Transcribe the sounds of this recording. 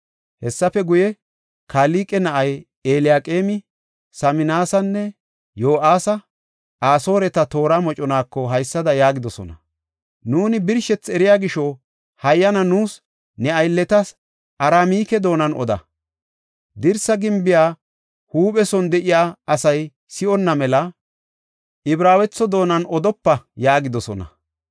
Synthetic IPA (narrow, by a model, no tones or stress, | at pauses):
hɛsːɐfɛɡʊjɛ | kaːliːkʼɛnɐʔɐj | eːlɪjaːkʼeːmɪ | sɐmɪnaːsɐnːɛ | jo̞ːʔaːsɐ | ʔaːso̞ːɾɛt̪ɐt̪o̞ːɾamɔt͡ʃʼɔnaːkːɔɦɐjsːɐd̪ɐjaːɡɪd̪ɔsɔ̰nɐ̰ | nuːnɪbɪɾʃɛt͡sːɛɾɪjaːɡɪʃɔ | hɐjːɐnɐnuːs | nɛɐjlːɛt̪ɐs | ʔɐɾaːmiːkɛd̪o̞ːnɐnʔɔ̰d̪ɐ̰ | d̪ɪɾsɐɡɪmbɪjaː | huːpɛsɔnd̪ɛʔɪjaːɐsɐj | sɪɔnːɐmɛlɐ | ʔɪbɾaːwɛt͡sːɔd̪o̞ːnɐnɔd̪ɔpːɐjaːɡɪd̪ɔsɔnɐ̰